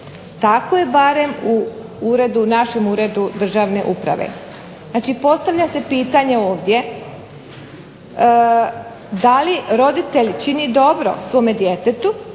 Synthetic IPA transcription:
t̪akoje̞baɾe̞mu | uɾe̞d̪unaʃe̞muːɾe̞d̪ud̪r̩ʒaːʋne̞̰ʔupɾa̰ʋḛ | znaːt͡ʃipo̞st̪aʋʎase̞piːt̪aɲe̞o̞ːʋd̪ʲje̞ | d̪aliɾo̞d̪it̪eʎt͡ʃinid̪o̞bɾo̞̰sʋo̞ːmed̪jet̪et̪u

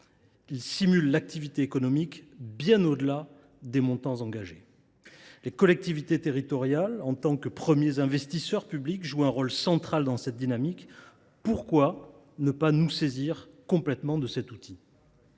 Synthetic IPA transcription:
ilsimylːak̚t̪ivit̪eekɔnɔmikbjɛ̃nod̪əla | d̪emɔ̃t̪ɑ̃zɑ̃ɡaʒe | lekɔlɛk̚t̪ivit̪et̪eʁit̪ɔʁjalɑ̃t̪ɑ̃kəpχəmjezɛ̃vɛst̪isœʁpyblikʒuɛ̃ʁɔlsɑ̃t̪χald̪ɑ̃sɛt̪̚d̪inamik | puʁkwa | nəpanuseziʁkɔ̃plɛt̪mɑ̃d̪əsɛt̪ut̪ʰi

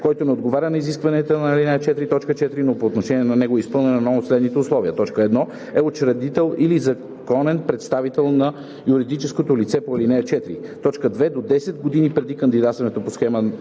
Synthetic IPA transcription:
kɔjt̪onɛod̪ɡovaɾʲənɐiziskvɐnɛt̪ənɐɐlinɛət͡ʃɛt̪ɾit̪ɔt͡ʃkət͡ʃɛt̪ɾinopoːt̪noʃɛniɛnɐnɛɡoɛispɤlˠnɛnɐnooslɛd̪nit̪ɛʊslˠɔviət̪ɔt͡ʃkəɛd̪nɔ | ɛot͡ʃɾɐd̪it̪ɛlˠilizɐ | kɔnɛnpɾɛt̪st̪avit̪ɛlˠnɐ | juɾid̪it͡ʃɛskot̪olit̪sɛpoɐlinɛət͡ʃɛt̪ɾit̪ɔt͡ʃkəd̪vɛd̪od̪ɛsɛt̪ɡod̪inipɾɛd̪ikɐnd̪id̪at̪t̪vɐnɛt̪oposxɛmə

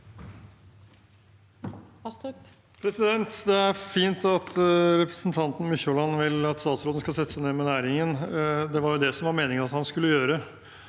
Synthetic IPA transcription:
pʰɾɛsɪd̪ɛnt̪d̪ɛæɾfiːnt̪ɑt̪ʰɾɛpɾəsn̩t̪ʰɑnt̪n̩mʏçolɑnʋɪlɑt̪st̪ɑːt̪sɾoːd̪nəskɑsɛt̪ːəsæɪneːmɛnæːɾɪŋənd̪ɛʋɑɾjʊd̪ɛsɔmʋɑɾmeːnɪŋənɑt̪hɑnskʉlːəjøːɾə

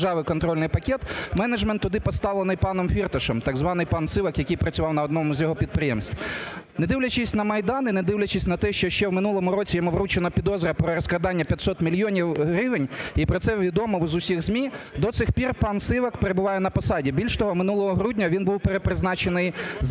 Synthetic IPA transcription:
ʒɑʋɪjkɔnt̪ɾɔlʲnɪjpɐkʲɛt̪mɛnɐd͡ʒmɛnt̪ːʊd̪ɪpɔst̪ɑʋlˠenɪjpɑnɔmfʲirt̪ɐʃɔmt̪ɑɡzʋɑnɪjpɑnsɪʋɐkjɐkɪjpɾɐt͡sʲʊʋɑwnɐɔd̪nɔmʊzʲjɔɦɔpʲid̪̚pɾɪjɛmsʲt̪ʲned̪ɪwlʲɐt͡ʃɪsʲnɐmɐjd̪ɑnɪned̪ɪwlʲɐt͡ʃɪsʲnɐt̪ɛʃt͡ʃɔʃt͡ʃɛwmɪnulˠɔmʊɾɔt͡sʲijɔmuʋɾut͡ʃenɐpʲid̪ɔzɾɐpɾɔɾɔskˠɐd̪ɑnʲːɐpʲjɐt̪ʲsɔt̪mʲilʲjɔnʲiwɦɾɪʋenʲipɾɔsɛʋʲid̪ɔmɔwzʊsʲiɣzʲmʲid̪ɔt̪sɪxpʲirpɑnsɪʋɐkpeɾebʊʋɑjɛnɐpɐsɑdʲibʲilʲʃt̪ɔɦɔmɪnulˠɔɦɔɦɾudʲnʲɐʋʲinbuwpeɾepɾɪznɑt͡ʃenɪjz

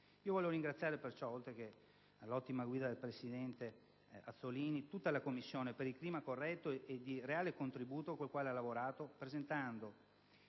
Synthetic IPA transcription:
iːovɔleoɾiŋɡɾat̪sːjaːɾepert͡ʃɔolt̪ɾeke | alːɔt̪ːimaɡwiːd̪ad̪elpɾesid̪ɛnt̪e | a̰t̪sːoliːnit̪ut̪ːalakomːisːjoːnepeɾilkliːmakorːɛt̪ːoed̪ireaːlekont̪ɾibuːt̪okolkwaːlealːavoɾaːt̪opɾezent̪and̪o

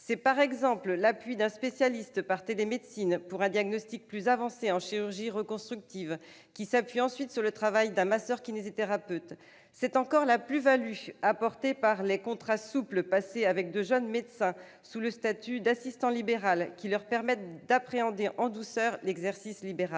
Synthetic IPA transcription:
sɛpaʁɛɡzɑ̃pllapɥid̪ɛ̃spesjalist̪paʁt̪elemed̪sinpuʁɛ̃d̪jaɡnɔst̪ik̚plyzavɑ̃seɑ̃ʃiʁyʁʒiʁəkɔ̃st̪χyk̚t̪iv | kʲisapɥiɑ̃sɥit̪syʁlət̪χavajd̪ɛ̃masœʁkʲinezit̪eʁapøt̪ | sɛt̪ɑ̃kɔʁlaplyvalyapɔʁt̪epaʁlekɔ̃t̪χasupləpaseavɛk̚d̪øʒœnmed̪sɛ̃ | suləst̪at̪yd̪asist̪ɑ̃libeʁalkʲilœʁpɛʁmɛt̪̚d̪apχeɑ̃d̪eʔɑ̃d̪usœʁlɛɡzɛʁsislibeʁal

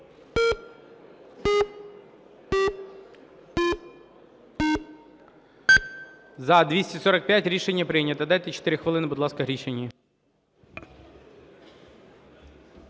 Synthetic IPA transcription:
zɐd̪ʋʲisʲtʲisɔɾɐk̚pʲjatʲɾʲiʃenʲːɐpɾɪnʲːɐt̪ɐd̪ɑjt̪ɛt͡ʃe̥t̪ɪɾʲɪxʋɐlˠɪnɪbʊd̪lˠɑskɐɦɾʲiʃenʲːi

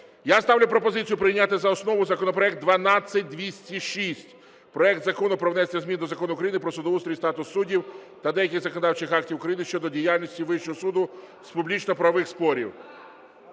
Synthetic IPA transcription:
jast̪ɑwlʲʊpɾɔpɔzɪt͡sʲijʊpɾɪjnʲat̪ɪzɐɔsnɔʋʊzɐkɔnɔpɾɔɛk̚d̪̚d̪ʋɐnɑt͡ssʲːɐt̚ʲd̪ʋʲisʲtʲiʃisʲtʲ | pɾɔɛk̚t̪zɐkɔnʊpɾɔwnɛsʲnʲɐzmʲind̪ɔzɐkɔnʊkɾɐjinɪpɾɔsʊd̪ɔʋust̪ɾʲist̪ɑt̪ʊsːudʲiwt̪ɐd̪ɛjɐkɪxzɐkɔnɔd̪ɑwt͡ʃɪxɑk̚tʲiwʊkɾɐjinɪʃt͡ʃɔd̪ɔdʲijalʲnʲisʲtʲiʋɪʃt͡ʃɔɦɔsud̪ʊ | zpublʲit͡ʃnɔpɾɐʋɪxspɔɾʲḭw

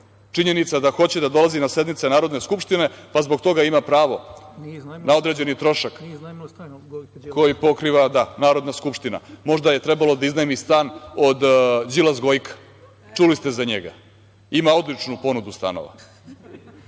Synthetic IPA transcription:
t͡ʂiɲe̞nit̪sad̪axo̞t͡ɕed̪ad̪o̞lˠazinase̞d̪mit̪senaːɾo̞d̪ne̞skupʂt̪ine̞pazbo̞ɡt̪o̞ɡaimapɾaːʋo̞ | nao̞d̪ɾeːd͡ʑe̞nit̪ɾo̞ʃak | kʰo̞jipo̞kɾiʋad̪anaːɾo̞d̪naskupʂt̪ina̰mo̞ʐd̪aje̞t̪ɾe̞balo̞d̪aiznaemist̪aːno̞d̪d͡ʑilazɡo̞jkʰḁ | t͡ʂulist̪ezaɲeɡa̰ | imao̞d̪lit͡ʂnupo̞nud̪ust̪a̰no̰ʋa̰

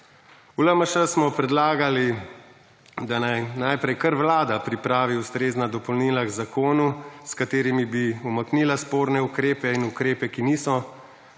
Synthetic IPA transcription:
uləməʃəsmɔpɾɛd̪laːɡali | d̪anajnajpɾɛjkəɾʋlaːd̪apɾipɾaːʋiust̪ɾeːznad̪ɔpɔwlniːlaɡzakoːnuskat̪eːɾimibiumɐkniːlaspoːɾnɛukɾeːpɛinukɾeːpɛkiniːsɔ

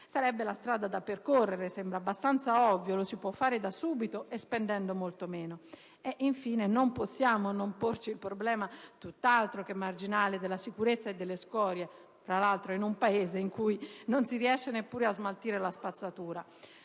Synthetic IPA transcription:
saɾɛbːelast̪ɾaːd̪ad̪apeɾkorːeɾesɛmbɾabːast̪ant̪saɔvːjolosipwɔfːaːɾed̪asuːbit̪oɛspɛnd̪ɛnɖ̪omolt̪omɛːno | ɛʔiɱfiːnenomposːjaːmonompoɾt͡ʃiːlpɾoblɛːmat̪ut̪ːalt̪ɾokemːard͡ʒinaːled̪elasikuɾet̪sːaed̪ːelːeskɔːɾjɛ | fɾalalt̪ɾoinumpaeːzeiŋkujnonsiɾiɛʃːenepːuːɾiazmalt̪iːɾelaspat̪sːat̪uːɾa

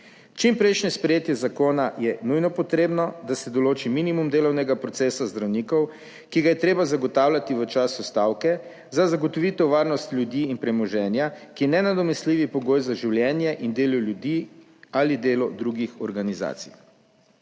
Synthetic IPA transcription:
t͡ʃimpɾɛjʃnɛspɾɛjeːt̪jɛzakoːnajɛnujnɔpɔt̪ɾeːbnɔd̪asɛd̪ɔloːt͡ʃiminimumd̪eːlɔwnɛɡapɾɔt̪sɛːsazd̪ɾawniːkɔw | kiɡajɛt̪ɾeːbazaɡɔt̪aːwlʲjat̪iʋət͡ʃasust̪aːwkɛ | zazaɡɔt̪ɔʋit̪ɛwʋaːɾnɔst̪lʲjud̪iːnpɾɛmɔʒɛːnjakinɛnad̪ɔmɛsliːʋipɔɡoːjzaʒiwljɛːnjɛʔind̪eːlɔljud̪iː | alid̪eːlɔd̪ɾuɡixɔɾɡaniza̰ːt̪sḭj

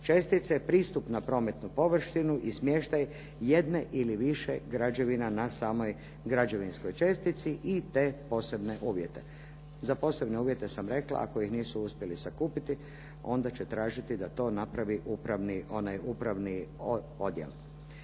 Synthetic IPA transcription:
t͡ʃest̪it̪sepɾiːst̪upnapɾo̞ːme̞t̪nupo̞ʋr̩ʃt̪inuʔismje̞ʃt̪aj | je̞d̪ne̞ʔiliʋiʃḛɡɾad͡ʒe̞ʋinanasaːmo̞j | ɡɾad͡ʑe̞ʋinsko̞jt͡ʃest̪it̪siʔit̪e̞ːpo̞ːse̞bne̞ʔuːʋje̞t̪e̞̰ | zapo̞se̞bne̞uːʋje̞t̪e̞samɾe̞kla̰a̰kojixniːsuuspje̞lisakuːpit̪i | o̞nd̪at͡ɕe̞t̪ɾaːʒit̪id̪at̪o̞ːnapɾaʋiʔupɾaʋnio̞najupɾaʋni | o̞d̪jḛl

